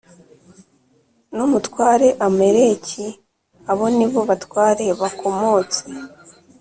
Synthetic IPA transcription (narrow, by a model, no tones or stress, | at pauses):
numutkwaːɾe̞ʔameɾe̞ci | aβo̞niβo̞βatwaːɾeβakʰo̞mo̞t͡se